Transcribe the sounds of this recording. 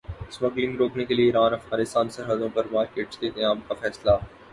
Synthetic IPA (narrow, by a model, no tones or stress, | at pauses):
smɐɡlɪ̃ŋɡɾoːknekelieiːɾaːnɐfɣaːnɪst̪aːnsɐɾɦəd̪õpɐɾmaːɾkeːʈsd̪eːt̪ẽaːpkafɛːsla